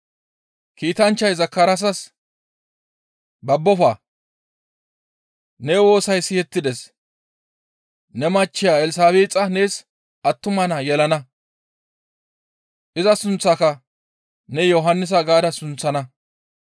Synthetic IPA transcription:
kiːt̪ɐnt͡ʃːɐjzɐkːɐɾɐs̬ɐs | bɐbːɔfaː | nɛwo̞ːsɐjsɪhɛt̪ːɪd̪ɛs | nɛmɐt͡ʃːɪjaːɛlɪs̬aːβeːt͡sʼːɐneːs | ʔɐt̪ːʊmɐnɐjɛlɐnɐ | ʔɪzɐsʊnt͡sːakɐ | nɛjɔɦɐnːɪs̬ɐɡaːd̪ɐsʊnt͡sːɐnɐ

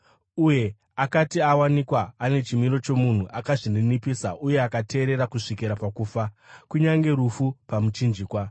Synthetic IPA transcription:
uje̞ | akatiawanikwaːne̞t͡ʃimiɾo̞t͡ʃo̞mun̤uʔakaʐininipiːsaʔuje̞akatʰe̞ːɾe̞ɾakuʂikiɾapakuːfakuɲaŋɡe̞ɾufupamut͡ʃind͡ʒiːkwa

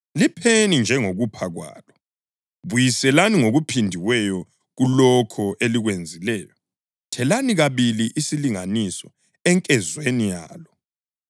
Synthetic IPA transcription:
lipʰenind͡ʒʱɛŋoɣupʰaɣwa̰ːlɔ | βujisɛlaniŋoɣupʰindʱiwɛjɔ | ɣulɔkʰɔʔeliɣwend͡zʱilɛːjɔ | tʰɛlaniɣaβiliʔisiliŋanisɔ | ɛŋkʼɛzwenija̰ːlɔ

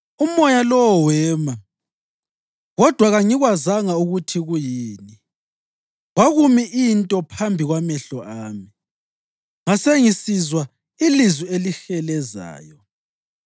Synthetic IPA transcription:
umɔjalɔwɔwɛːma | ɣɔd̥ʱwaɣaŋiɣwazaŋauɣutʰiɣujiːni | waɣumiʔintʼɔpʰambʱiɣwamɛɬɔʔaːmi | ŋaseŋisizwa | ilizwielixɛlɛza̰ːjɔ

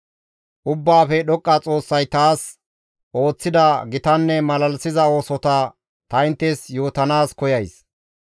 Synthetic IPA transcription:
ʔʊbːaːfɛɗɔkʼːɐt͡sʼo̞ːsːɐjt̪aːs | ʔo̞ːt͡sːɪd̪ɐɡɪt̪ɐnːɛmɐlɐlsɪzɐo̞ːsɔt̪ɐ | t̪ɐɪnt̪ːɛsjo̞ːt̪ɐnaːskɔjɐjs

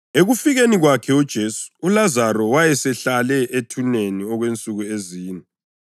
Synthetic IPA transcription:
eɣufiɣeniɣwakʰɛud̥ʒ̥ʱeːsu̥ːlazaɾɔwajɛsɛɬalɛʔetʰuneniɔɣwent͡sʼuɣueziːnɛ

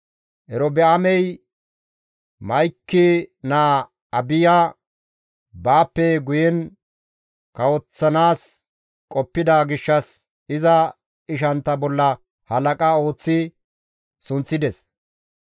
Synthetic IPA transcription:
ʔɛɾɔbɛʔɐmɛj | mɐjkːɪnaː | ɐbɪjaː | baːpːɛɡʊjɛn | kɐwɔt͡sːɐnaːs | kʼɔpːɪd̪aːɡɪʃːɐs | ɪzɐ | ɪʃ̬ɐnt̪ːɐbɔlːɐ | hɐlɐkʼɐo̞ːt͡sːɪ | sʊnt͡sːɪd̪ɛs

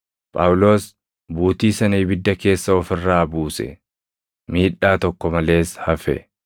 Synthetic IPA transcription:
pʼɐːwʊlo̞ːs | buːt̪iːsɐniːbɪd̪ːɐke̞ːsːɐɔfɪrːaːbuːsɛ̰ | miːᶑːaːt̪ɔkːɔmɐle̞ːshɐfɛ̰

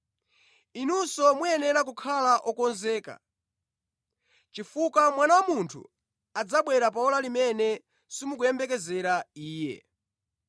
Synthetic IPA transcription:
inusɔmujɛnɛɾak̬ukʰalaʔɔkɔnzɛːka̰ | t͡ʃifukamwanawamuntʰṵ | ad͡zaɓwɛɾap̬aɔlalimɛnɛ | simuk̬ujɛmbɛkɛzɛɾaiːjɛ̰

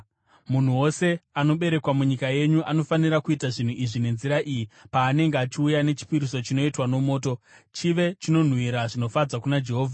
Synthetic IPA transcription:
mun̤uwo̞se̞ano̞ɓe̞ɾe̞kwamuɲikaje̞ɲuʔano̞faniɾakuitaʐin̤uʔiʐine̞nziɾaʔijipaːne̞ŋɡeat͡ʃiujane̞t͡ʃi̥piɾiso̞t͡ʃino̞itwano̞mo̞ːto̞ | t͡ʃiʋe̞t͡ʃino̞n̤wiɾaʐino̞fad͡zakunad͡ʒe̞ɦoːvʱa

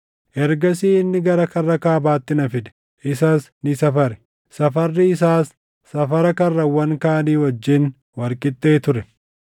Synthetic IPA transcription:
ʔɛɾɡɐs̬iːɪnːɪɡɐɾɐkɐrːɐkaːbaːt̪ːɪnɐfɪd̪ɛ̥ | ʔɪsaːs | nɪsɐfɐɾɛ̥ | sɐfɐrːɪɪsaːsː | ɐfɐɾɐkɐrːɐwɐŋkaːniːwɔd͡ʒːɪn | wɐɾkʼɪt̪ʼːe̞ːt̪ʊɾɛ

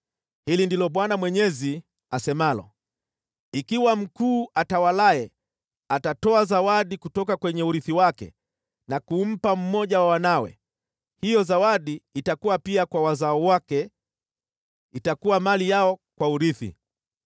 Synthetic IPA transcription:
hilindilɔɓwanamwɛɲɛzi | asɛmalɔ̰ | ikiwam̩kuːʔatawalaɛ | atatɔazawaɗikutɔkakwɛɲɛuɾiθiwakɛ̰ | nakum̩pam̩mɔʄawawanawɛ̰ | hijɔzawaɗiːtakuwapiakwawazaɔwakɛ | itakuwamalijaɔkwauɾiθḭ

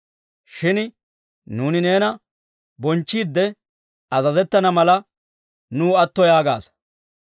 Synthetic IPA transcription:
ʃɪn | nuːnɪne̞ːnɐ | bɔnt͡ʃːiːd̪ːɛ | ɐzɐzɛt̪ːɐnɐmɐlɐ | nuːɐt̪ːɔjaːɡa̰ːs

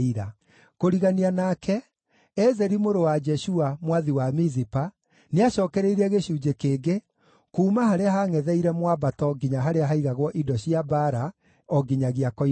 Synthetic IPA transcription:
iɾa | koɾiɣanianakʰɛ | ɛzɛɾimoɾowad͡ʒɛʃuamwaðiwamizipa | neaɕɔːkɛɾeiɾɛɣeɕuːd͡ʒekeːɡe | kuːmaɦaɾeaɦaŋɛðɛiɾɛmwabatɔɡiɲaɦaɾeaɦaiɣaɣwɔʔidɔɕiabaɾa | ɔɡiɲaɣiakɔ

